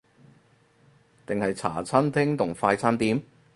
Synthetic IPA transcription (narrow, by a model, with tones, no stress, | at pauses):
t̪ɪ˨ŋhɐ˨jt͡sʰa̰ː˨˩t͡sʰɐ˥nt̪ʰɪ˥ŋt̪ʰʊ˨˩ŋfaː˧jt͡sʰaː˥nt̪iː˨˥m